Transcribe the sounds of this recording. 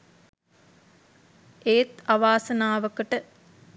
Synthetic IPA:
eːt̪aʋaːsənaːʋəkəʈə

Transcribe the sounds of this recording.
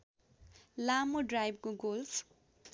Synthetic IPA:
lamoɖrajb̚koɡolfʰ

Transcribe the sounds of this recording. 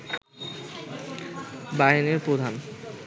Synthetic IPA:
baɦeneɾpɾod̪ʱan

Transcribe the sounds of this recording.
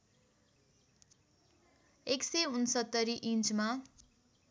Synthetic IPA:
ekseunsʌt̪ːʌɾiʔint͡sma

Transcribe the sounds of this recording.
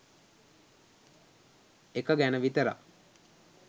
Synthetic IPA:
ekəɡænəʋit̪əɾa̰

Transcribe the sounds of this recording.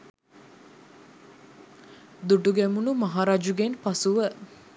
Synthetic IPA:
d̪uɖuɡɛmunumɐɦaːɾaːd͡ʒuɡenpasuʋə

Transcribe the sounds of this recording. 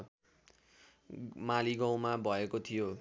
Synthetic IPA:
maliɡaw̃mabʱʌekot̪ʰijo

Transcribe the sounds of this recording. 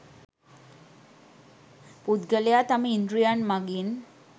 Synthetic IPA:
pud̪ɡəljat̪amiind̪ɾujanmaɡin

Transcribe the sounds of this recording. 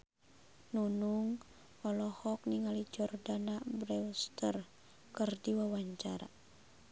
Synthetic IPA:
nunuŋ | ɔlɔhɔk̚niŋalid͡ʒɔrdanabɾɛust̪ər | kɨrdiwawaɲt͡ʃaɾa̰

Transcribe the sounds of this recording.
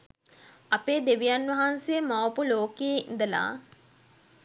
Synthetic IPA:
apeːd̪eʋijanʋɐɦansejəmawpuloːkejeḭnd̪əla̰ː

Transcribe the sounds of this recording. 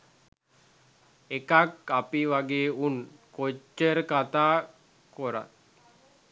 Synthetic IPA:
ekakapiʋaɡeːunkot͡ʃːəɾəkat̪aː | koɾa̰t̪

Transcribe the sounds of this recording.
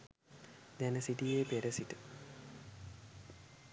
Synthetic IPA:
d̪ænəsiʈijeːpeɾəsiʈə

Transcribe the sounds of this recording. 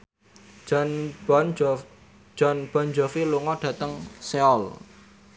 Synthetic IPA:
n | d͡ʒ̥ɔnb̥ɔ̤nd͡ʒɔfiluŋɔɖ̥ä̤t̪əŋseɔl

